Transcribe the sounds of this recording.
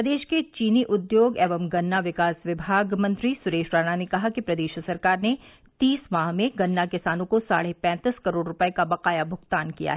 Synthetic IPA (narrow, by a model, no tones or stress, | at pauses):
ɾɐd̪eːʃket͡ʃiːniʔʊd̪joːɡɛːʋəmɡɐnːaʋɪkaːsʋɪbʱaːɡmɐ̃nt̪ɾisʊɾeːʃɾaːnanekɐɦakipɾɐd̪eːʃsɐɾkaːɾne | t̪iːsmaːɦmẽɡɐnːakɪsaːnõkosa̰ːɽeɦpɛ̃ːt̪iskɐɾoːɖɾʊpəekabɐqaːjabʱʊɡt̪aːnkḭja̰ɦɛ